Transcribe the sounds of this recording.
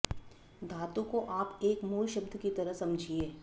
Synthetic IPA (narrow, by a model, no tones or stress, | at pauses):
d̪ʱaːt̪ũkoʔaːpeːkmuːlʃəbd̪ʱkit̪ɐɾəɦsɐ̃md͡ʒʱieː